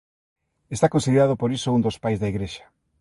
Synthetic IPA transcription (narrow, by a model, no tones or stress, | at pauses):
est̪akonsiðeɾaðʊpoɾisʊund̪ospajzðaiɣɾeʃḁ